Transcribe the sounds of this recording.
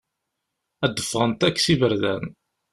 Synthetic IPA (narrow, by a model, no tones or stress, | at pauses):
æd̪ːəfʁənt̪ækːsivəɾðæ̰n